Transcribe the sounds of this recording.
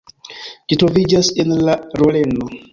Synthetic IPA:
d͡ʒitɾo̞vid͡ʒasenlaɾole̞no

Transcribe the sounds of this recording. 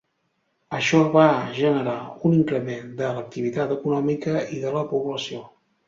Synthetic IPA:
əʃɔβaʒənəɾauniŋkɾəmend̪ələk̚t̪iβ̞it̪at̪əkunɔmikəiðələpuβləsio

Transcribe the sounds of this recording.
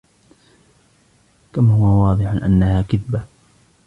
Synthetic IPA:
kamhʊwawɑːd̪ˤɨħanʔa̰nːahaːkɪðba

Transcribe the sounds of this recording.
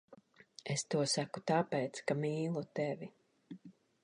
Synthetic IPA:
est̪uɔsaku̥t̪apɛjt̪skamiːlˠut̪ɛvi

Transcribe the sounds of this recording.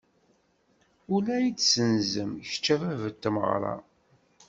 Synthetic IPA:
ʊlæjit͡sːsənzəmçt͡ʃːævævət̪ːəmə̰ʁɾˤɑ̰

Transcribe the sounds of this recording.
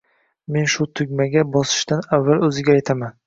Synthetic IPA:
me̞nʃʊt̪ʰʊɡʲmaɡʲabɒsɪ̥ʃt̪anavːalɵzɪɡʲaːjt̪ʰaman

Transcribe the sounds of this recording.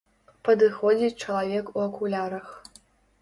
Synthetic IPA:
pɐd̪ɨxod͡zʲiʈ͡ʂɐlˠavʲekuɐkʷʰulʲaɾɐx

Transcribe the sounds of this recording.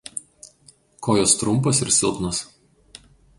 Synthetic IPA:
kʰoːjoːst̪ɾʊmˑposɪɾsʲɪlˠpnos

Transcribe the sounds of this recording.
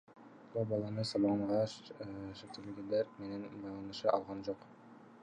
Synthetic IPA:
bulˠbɑlˠɑnɤsɑbɑnʁɑ | ʃɘ̆kt̪eɡɡ̪ɘlæɾmenænbɑjlˠɑnɤ̆ʃɤʔɑlˠʁɑnʒoq

